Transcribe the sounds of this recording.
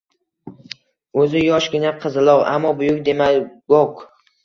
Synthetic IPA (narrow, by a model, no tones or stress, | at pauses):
ɵzɪjɒʃɡʲɪnaqʰɨzɪlˠɒʁa̰mːɒbʊjʊk̚ʲd̪e̞maɡok